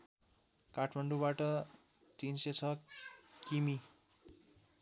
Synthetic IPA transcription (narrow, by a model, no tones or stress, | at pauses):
kaʈʰmaɳɖubaʈʌ | t͡sinset͡sʰʌkimi